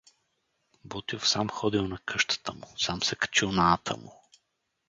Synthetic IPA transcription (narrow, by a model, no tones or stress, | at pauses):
bɔt̪iofsamxɔd̪ilˠnɐkʰɤʃt̪ə̥t̪əmʊsamsɛkɐ̥t͡ʃilˠnat̪ʰə̰mʊ̰